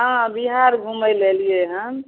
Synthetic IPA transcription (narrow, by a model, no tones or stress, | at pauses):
ɦãbiɦaɾɡʱuməjlelijeɦə̃